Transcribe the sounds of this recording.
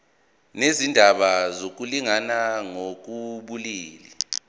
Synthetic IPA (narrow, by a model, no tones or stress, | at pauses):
nezindʱaɓazok̬uliŋanaŋok̬uɓuliːli